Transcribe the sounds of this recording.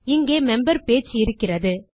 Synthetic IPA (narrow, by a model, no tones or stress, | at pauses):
ɪŋɡeːmɛmbɐɾpeːt͡ʃːɯɪɾɯkːɪrɐðɯ